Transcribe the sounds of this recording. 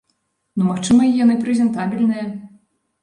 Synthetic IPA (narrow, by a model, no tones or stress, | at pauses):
numaxt͡ʂɨmɐijanɨpɾɛzʲɛnt̪abʲilʲnɨjɐ